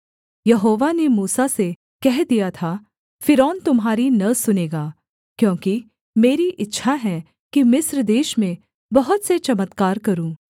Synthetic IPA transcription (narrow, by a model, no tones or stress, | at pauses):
jɐɦoːʋanemuːsase | kɛɦd̪ijat̪ʰa | fɪɾɔːnt̪ʊmɦaːɾinɐsʊneːɡaː | kjõːki | meːɾiʔɪtːʃʰaɦɛ | kimɪsɾd̪eːʃmẽ | bɐɦʊt̪set͡ʃɐmət̪kaːɾkɐɾũː